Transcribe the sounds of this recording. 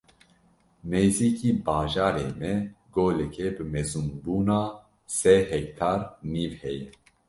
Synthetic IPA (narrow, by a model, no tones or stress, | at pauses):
neːziːkiːbɑːʒaːɾeːmɛɡoːlɛkʰɛbɨmɛzunbuːnaː | sɛɦɛk̚t̪ʰaːɾniːvhɛjɛ